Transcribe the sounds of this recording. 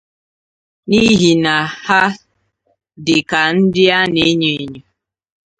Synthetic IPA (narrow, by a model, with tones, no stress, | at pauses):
ni˦ɦi˨na˨ha˦ | dɪ˨ka˨n̩˦dɪ˦a˦ne˦ɲe˨˦ɲo˨